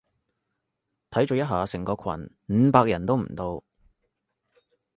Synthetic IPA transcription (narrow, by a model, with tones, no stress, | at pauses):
t̪ʰɐ˨˥jt͡ʃoː˨˧wjɐ˥ɦaː˨sɪ˨˩ŋkɔː˧kʰwɐ̰˨˩n | m̩ː˨˧˥paː˧k̚jɐ˨˩nt̪o˥wm̩˨˩t̪o˧w